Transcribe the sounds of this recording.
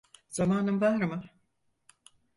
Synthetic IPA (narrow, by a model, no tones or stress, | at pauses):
z̥amaːnɯmvaɾmɯ